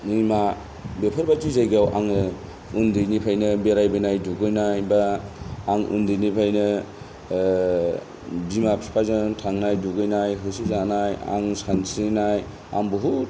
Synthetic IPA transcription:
nima | bepʰɯɾbat͡ʃizajɡawʔaŋ | undɯjnipʰajnɯbeɾajbajnajduɡɯjnajbaː | ŋṵndɯjnipʰajnɯ | bimapʰspʰazantʰaŋnajduɡɯjnajɦɯsizanaja̰ŋsansinaj | a̰ŋbuɦu

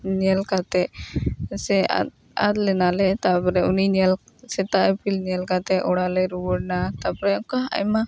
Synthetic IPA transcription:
ɲɛlkat̪ɛ | sɛa̰ | a̰d̪lɛnalɛt̪apɔɾɛuniɲɛlsɛt̪aʔpilɲɛlkat̪ɛʔɔɽalɛɾuwɔɽnat̪apɔɾɛɔkaɦa̰jma

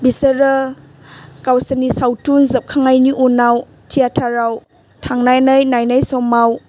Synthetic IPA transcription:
bisəɾə | kawsənisawtunzəp̚kʰaŋajniʔunaw | tʰiatʰaɾaw | tʰaŋnajnajnajnajsɔmaw

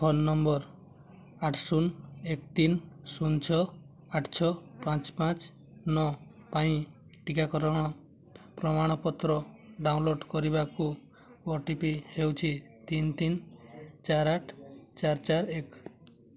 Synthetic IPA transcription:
kʰɔnːɔmbɔɾ | aʈʰsunekt̪insunt͡ʃʰɔ | aʈʰt͡ʃʰɔpãt͡ʃpãt͡ʃ | nɔ | paĩ | ʈikakɔɾɔɽ̃ɔ | pɾɔmaɽ̃ɔpɔt̪ɾɔɖawnloɖkɔɾibaku | wɔʈipihewt͡ʃʰit̪int̪int͡ʃaɾaʈʰt͡ʃaɾt͡ʃaɾek

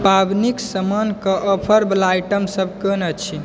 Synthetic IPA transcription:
pabniksəmankəʔːpʰəɾblajʈəmsəb̚ʱkənət͡ʃʰi

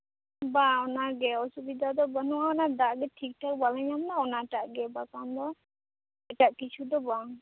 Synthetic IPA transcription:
baɔnaɡɛɔsubid̪ʱad̪ɔbanuwaɔnad̪aʔɡɛʈʰik̚ʈʰak̚balaɲamnaɔnaʈaʔɡɛbakand̪ɔ | ɛʈaʔkit͡ʃʰud̪ɔba

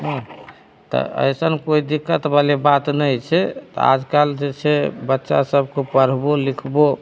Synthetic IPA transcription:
ɦũ | t̪ɔ̰ə̰jsənkoid̪ikːət̪balebat̪nəjt͡ʃʰɛtt̪ɔ̰a̰d͡ʒkald͡ʒet͡ʃʰebətːʃa̰səbʱkepəɽ̤bolikʰbo

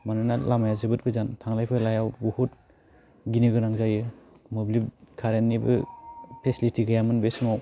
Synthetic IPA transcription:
mananalamajazɯbɯt̚ɡɯzantʰaŋlajpʰɯlajawbuhut̚ | ɡinɯɡɯnaŋzajɯ | moblibkʰaɾenːibɯ̰pʰesilitiɡɯjamɯnbesnuaw

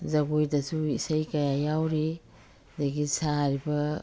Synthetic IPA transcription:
zɐɡojdɐsuisajkɐjajawɾi | daɡisaɾibɐ

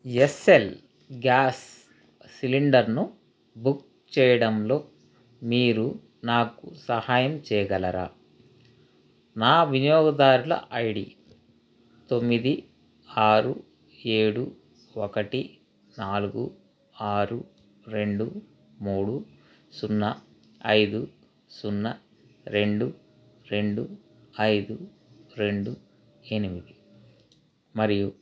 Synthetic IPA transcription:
esel | ɡaːsː | iliɳɖɐɾnu | buk̚ | t͡ʃɛːjɐɽɐmlo̞ː | miːɾu | naːkusɐhaːjɐmt͡ʃɛːjɐɡɐlɐɾa̰ː | naːʋinjɔːɡɐd̪aːɾulɐ̰ʔɐjɽḭ | t̪o̞mːid̪i | aːɾu | e̞ːɽu | okɐʈi | naːluɡu | aːɾu | ɾe̞ɳɖu | muːɽu | sunːɐ | ɐjd̪u | sunːɐ | ɾe̞ɳɖu | ɾe̞ɳɖu | ɐjd̪u | ɾe̞ɳɖu | e̞nimid̪i | mɐɾiju

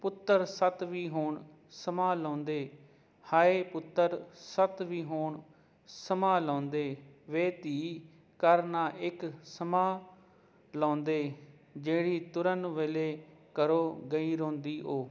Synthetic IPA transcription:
pʊt̪ːəɾsət̪ʋiːɦoːɳ | səmaːlɔ̃ːnd̪eː | haːeːpʊt̪ːəɾsət̪ʋiːɦoːɳ | səmaːlãːnd̪eːʋeːt̪iː | kəɾnaːʔɪksəmaː | lãːnd̪eː | d͡ʒeːɽiːt̪ʊɾənʋeːleːkəɾoːɡəiːɾõːnd̪iːʔoː

